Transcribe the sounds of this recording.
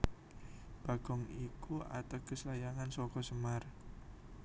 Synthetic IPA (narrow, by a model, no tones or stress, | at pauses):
b̥a̤ɡ̥ɔŋikua̰t̪akəslajaŋansɔkɔsəmar